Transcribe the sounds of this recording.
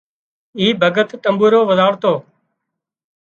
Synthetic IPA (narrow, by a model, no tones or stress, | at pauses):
iːbʱəɡət̪ːəmbuːɾoːʋəzaːɽt̪oː